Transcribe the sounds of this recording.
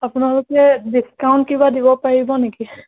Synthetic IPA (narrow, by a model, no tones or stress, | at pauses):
apnalokɛdiskawnʈkibadibɔpaɹibɔneki